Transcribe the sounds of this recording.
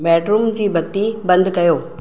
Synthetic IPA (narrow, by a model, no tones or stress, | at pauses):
bɛːɖɾuːmd͡ʑiːbɐt̪ibɐ̃nd̪kɐjoː